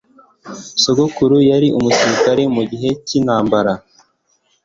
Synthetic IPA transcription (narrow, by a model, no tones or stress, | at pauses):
soɡokuɾujaɾiʔumusiɾikaɾemuɟiɦe̞cinaːmbaɾa